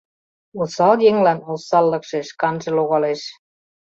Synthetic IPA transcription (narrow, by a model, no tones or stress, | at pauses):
osɑljeŋlænosɑlːɤ̆kʃeʃkɑnʒĕloɣɑleʃ